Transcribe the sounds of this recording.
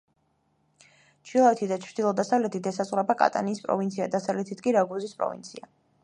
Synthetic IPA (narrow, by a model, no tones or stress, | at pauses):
t͡ʃʰilˠaɛt̪ʰid̪at͡ʃʰɾd̪ilˠɔd̪asavlɛt̪ʰit̪ʰɛsasʼχʼɾɛbakʼa̰t̪ʼa̰niːspʼɾɔ̰vint̪sʰia̰d̪asavlɛt̪ʰit̪ʰkʼiɾaɡuzispʼɾɔ̰vḭnt̪sʰia